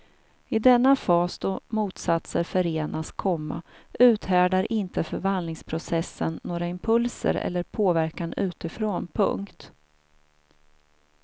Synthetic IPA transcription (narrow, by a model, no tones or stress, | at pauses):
ɪd̪ɛnːafɑːsd̪̥omuːt̪sat̪səɾfœɾeːnʔaskʰɔmːa̰ʉ̟ːt̪hæːɖaɾʔɪnt̪əfœɾvand̪lɪŋspʰɾʊsɛsːənːoːɾaɪmpʰɵlsə̰ɾɛ̰lːəɾpʰoːvæɾkanʉ̟ːt̪ɪfɾonpʰɵ̰ŋkt̪